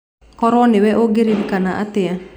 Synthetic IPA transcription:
kɔɾɔnɪwɛʔoɡeɾidikanaʔat̪ea

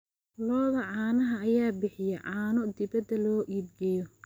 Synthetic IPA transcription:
lɔːðɐʕɑːnɐɦɐːjaːbɪħɪjɛʕɑːnɔd̪ɪβɐd̪ɐlɔːʔiːd̪ɡɛjɔ

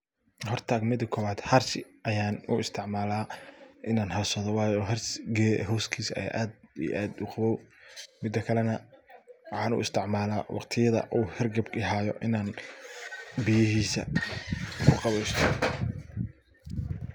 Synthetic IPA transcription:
hɔrt̪ʰaːɡmɪd̪ɐkʰɔːβaːd̪hɐrsɪʔɐjaːnʊʔɪst̪ʰɪʕmaːlaːʔɪnaːnhɐsɐðɔwɑːjɔɦɐrsɡɛ̰ɦɔːskʰiːsɐ̰ja̰ːʔaːd̪ḭʔa̰ːd̪ʊqɑβɔwmɪd̪ːɐkʰɐlɛnɐwɑħɑːnʊ̰ɪst̪ʰɪʕmaːlaːwʔɑ̰qt̪ʰɪjɐðɐ̰ʔuːhɛrɡɐbkɪɦaːjɔʔɪnaːn | bɪjɪɦiːsɐ̰ | kʰʊqɑβɛjst̪ʰɔ

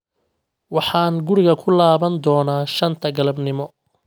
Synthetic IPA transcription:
wɑħɑːnɡʊɾɪɣɐkʰʊlaːβɐnd̪ɔːnaːʃɐnt̪ʰɐɡɐlɐbnɪmɔ

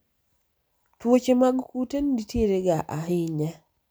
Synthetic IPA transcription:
twot͡ʃemaɡkutenditjeɾeɡaʔaɦɪɲa

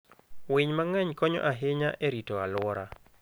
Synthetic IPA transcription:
wɪɲmaŋɛɲkɔɲɔ̰ʔaɦɪɲaʔɛɾitɔalwɔɾa

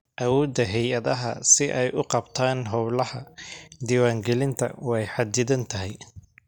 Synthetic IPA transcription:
ʔɐwɔːd̪ɐɦɛjɐðɐɦɐ̰sɪʔɛjʔʊqɑbt̪ʰaːnɦɔblɐhɐd̪iːwaːŋɡɛlɪnt̪ʰɐ̰wɛjħɑd̪ɪðɐnt̪ʰɐɦɛj

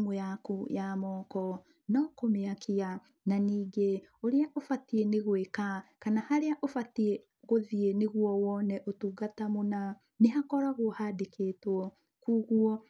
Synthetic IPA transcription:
ŋojakujamɔːkɔ | nɔkomeakia | naniːɡeoɾeaʔofatieneɣwekakanahaɾeaʔofatie | ɣoðieneɣuɔwɔnɛʔotuːɡatamona | neɦakɔɾaɣohadekeːtwɔ | kuːɣuɔ

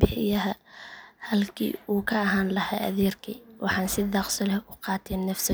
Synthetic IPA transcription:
bɪħɪjɐɦɐhɐlkʰḭːuːkʰɐːɦaːnlɐha̰ːʔɐ̰ðɛːrkʰḭwʔɑħɑːnsɪðɑqsɔlɛʔʊqɑːt̪ʰɛːnːɐfsɔ

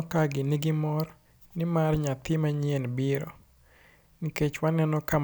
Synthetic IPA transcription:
kaɡɪnɪɡɪmɔr | nɪmarɲat̪ɪmaɲɪenbɪɾɔ̰ | niket͡ʃwanɛnɔka

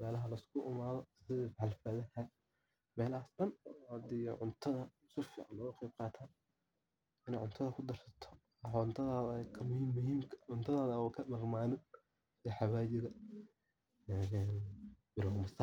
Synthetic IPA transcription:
mɛːlɐɦɐlɐɪskʰʊʔɪmaːðɔɪðiħɑlfɐðɐhɐ | mɛːlaːsdɐnɔhɐd̪ɪjɔʕʊnt̪ʰɐðɐ | sʊfiːʕɑnlɔːɣɐqejb̚qɑːt̪ʰaːn | ɪnɛːʕʊnt̪ʰɐðɐkʰʊd̪ɐrsɐt̪ʰɔ̥ | ɔnt̪ʰɐðaːðɐkʰɐmʊhiːmːʊhiːmkʰɐ̥ʕʊnt̪ʰɐðaːðɐwkʰɐmɐrmaːnɪn | sɪɛħɑwaːt͡ʃɪɣɐ | ɛɛnbɪlɣʊmɐsɐ

